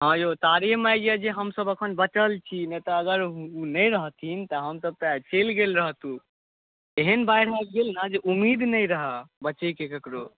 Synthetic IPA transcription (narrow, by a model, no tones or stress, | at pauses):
ɦãjot̪aɾimajd͡ʒjəd͡ʒeɦəmsəbəkʰənbət͡ʃəlt͡ʃʰinet̪ɔːɡəɾunəjɾəɦt̪ʰint̪ɔɦəmsəb̚t̪ət͡ʃelɡelɾəɦt̪ũ | eɦənbajɽ̤akɡelnəd͡ʒeʔumːid̪nəjɾəɦəbət͡ʃəjkekəkɾo